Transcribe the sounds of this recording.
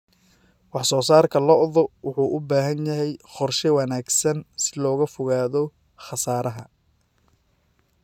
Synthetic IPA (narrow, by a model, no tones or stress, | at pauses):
wɑħsɔːsaːrkʰɐlɔʔðɔwʊħuːʔʊbaːɦɐnjɐɦɛjχɔrʃɛwɑnaːɡsɐnsɪlɔːɣɐfʊɣaːðɔ | χɑsaːɾɐɦɐ